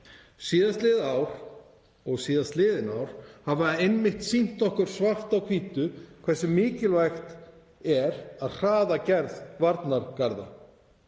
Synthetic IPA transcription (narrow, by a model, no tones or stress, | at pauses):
siːðast̪lɪːðaːwɾ̥ | ɔɣsiːðast̪lɪːðɪnawɾ̥havaejnmɪht̪sin̥t̪ɔhkʏɾ̥svar̥t̪awkʰviːt̪ʏkʰv̥ɛ̥sɪmːɪːcɪlvajxt̪ | ɛɾaðr̥aːðacɛɾðvaɾt̪naɾkaɾða̰